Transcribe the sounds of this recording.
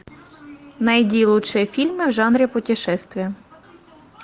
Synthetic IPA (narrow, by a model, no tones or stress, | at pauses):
nɐjdʲilˠʊt͡ʃɪfʲilʲmɪwʒɑnɾʲipɔtʲiʃɛst̪ʋʲi